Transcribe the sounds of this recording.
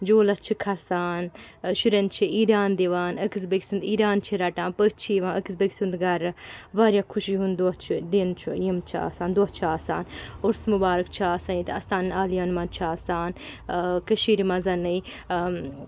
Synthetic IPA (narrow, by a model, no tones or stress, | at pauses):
d͡ʒoːlɐt͡ʃʰikʰasaːnʃuɾɐnt͡ʃʰiʔiːɾaːnd̪iʋaːnɐkis̬bəɡsund̪iːɾaːnt͡ʃʰiɾaʈãːnpəːt͡ʃʰiʋãːɐksbəksund̪ɡɐɾɐbaːɾjakʰuʃiɦund̪oɐt͡ʃʰid̪ent͡ʃʰujimt͡ʃʰia̰ːsaːnd̪uɐtt͡ʃʰaːsaːnoɾsmubaːɾɨk̚t͡ʃʰiaːsaːnit̪ɐsaːnaːljaːnmɐnt͡ʃʰiaːsaːnkɐʃiːɾimɐzɐnɐi